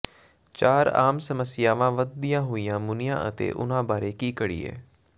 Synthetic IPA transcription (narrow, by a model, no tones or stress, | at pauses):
t͡ʃaːɾa̰ːmsəməsɪjaːʋãːʋəd̪̚d̪ɪjãːɦoːijãːmʊnɪjã̰ːʔət̪ḛːʔʊ̰nãːbaːɾeːkiːkəɽḭːḛː